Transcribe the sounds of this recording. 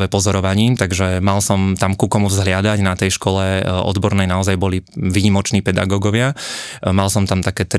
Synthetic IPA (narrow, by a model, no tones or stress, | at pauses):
ʋɛpɔzɔɾɔʋaɲiːt̪aɡʒɛmalsɔmt̪amkukɔmuvzɦlɪad̪aɟnat̪ɛjʃkɔlɛɔ̰d̪bɔɾnɛjnaɔzajbɔliʋiːɲimɔt͡ʃniːpɛd̪a̰ɡɔːɡɔʋɪamalsɔmt̪amt̪akɛːt̪